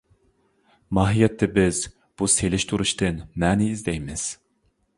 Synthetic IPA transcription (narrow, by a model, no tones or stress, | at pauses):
mɑːɦijɛt̪ʰːɛbɪz | b̥uselɪʃt̪ʰuɾuʃt̪ɨnmænɪizd̪ɛjmɪz̥